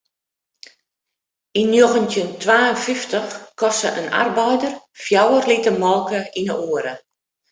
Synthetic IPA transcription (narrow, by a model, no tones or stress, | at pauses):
inːjoɣəntjəntʰʋaːənfiftəxkɔsəʔəna̰rbɛjdər | fjawərlitəmɔlˠkəinə̰ʔoəɾə